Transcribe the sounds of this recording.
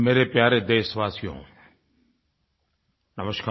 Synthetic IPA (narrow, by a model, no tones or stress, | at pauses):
meːɾepjaːɾed̪eːsʋaːsjõ̰ː | nɐməʃkʰa